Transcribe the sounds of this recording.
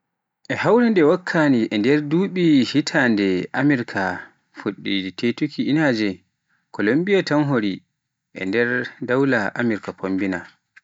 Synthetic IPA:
ʔɛhawɾɛndɛwakʰːaniʔɛndɛɾduɓihitʰandɛʔamiɾkʰa | fuɗːitetukiinaːd͡ʒɛ | kʰɔlombijatamɦoɾi | ʔɛ̰ndɛɾdawlaʔamiɾkapʰombina

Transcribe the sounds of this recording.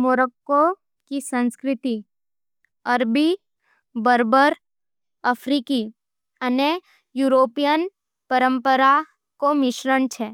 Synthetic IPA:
moːɾəkːo | kisə̃nskɾɪt̪i | əɾbi | bəɾbəɾ | əfʰɾiki | əne | juːɾoːpijən | pəɾə̃mpəɾa | komɪʃɾənt͡ʃʰeː

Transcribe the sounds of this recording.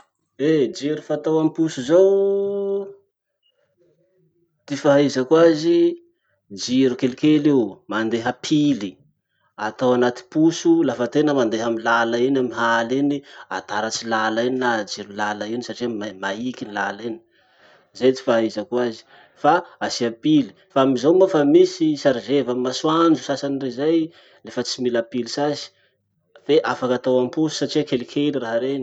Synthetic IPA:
ed͡ʒiɾufat̪awamipusuzow | t̪ifaɦizakuazi | d͡ʒiɾukelikelewmand̪eɦapʰili | at̪awanat̪i̥pusulafat̪enəmand̪eɦamilalainamiɦalinia̰t̪aɾat͡silalaininad͡ʒiɾulalainisaʈ͡ʂiamamaikinilaleni̥ | zet̪i̥faizakuazi̥ | faasiapili̥faamizawmafamisisaɾizevamaswand͡ʒusasanirezaj | lefət͡similapilisazi̥ | feʔafakat̪awamipusu̥saʈ͡ʂiakelikʰeliraɦaɾeni

